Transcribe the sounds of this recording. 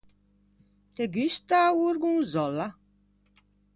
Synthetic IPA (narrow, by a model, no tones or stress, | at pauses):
t̪eɡyst̪auɾɡũŋzɔla